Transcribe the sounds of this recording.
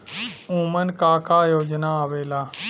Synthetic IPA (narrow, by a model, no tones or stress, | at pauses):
ũːmənkaːkaːjoːd͡ʒnaaʋeːlaː